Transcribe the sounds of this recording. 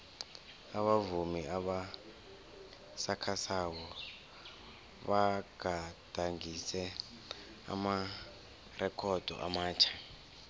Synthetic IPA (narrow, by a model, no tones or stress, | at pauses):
aβavumiaβa | sakʰasawɔ | βaɡ̥ʱad̥ʱaŋisɛ | a̰ma | rʔɛkʰɔd̥ʱɔ̰ʔa̰maːt͡ʃʰḁ